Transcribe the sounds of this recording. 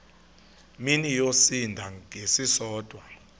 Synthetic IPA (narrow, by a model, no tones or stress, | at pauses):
minijosindʱaesisɔːd̥ʱʼwa